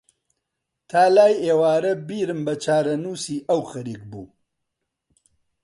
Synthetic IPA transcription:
t̪ʰaːlaːjeːwaːɾɐbiːɾɨmbɐt͡ʃʰaːɾɐnuːsiːʔɐwxɐɾiːk̚bṵː

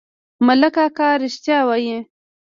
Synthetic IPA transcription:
mələkakaːɾɪʃt̪jawaje

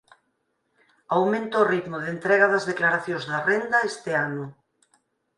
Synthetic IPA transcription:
awmẽnt̪oːrit̪mʊðent̪ɾɛɣɐðɐzðeklaɾaθjõzðɐrend̪ɐest̪ɪanʊ

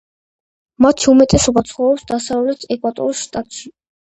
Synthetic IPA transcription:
mat̪ʰiumɛt̪ʼɛsɔbat̪sʰχɔɔpsd̪asavlɛt̪ʰɛkʼwat̪ʼɔ̰ɾisʃt̪ʼat̪ʼʃi

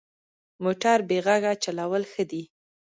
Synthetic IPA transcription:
moʈaɾbeɣaɡat͡ʃalawəlxəd̪i

